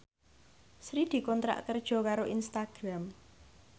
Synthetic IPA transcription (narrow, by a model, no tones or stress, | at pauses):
sɾid̪̥i̤kɔnt̪ɾa̰ʔkərd̥ʒ̥ɔ̤kaɾoʔinst̪aɡ̥ɾam